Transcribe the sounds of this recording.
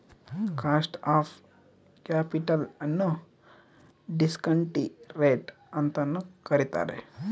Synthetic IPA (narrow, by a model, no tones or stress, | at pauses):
kaːsʈaːf | kaːpiʈɐlɐnːu | ɖiskɐɳʈiɾeːʈ | ɐnt̪ɐnːəkɐɾit̪a̰ːɾḛ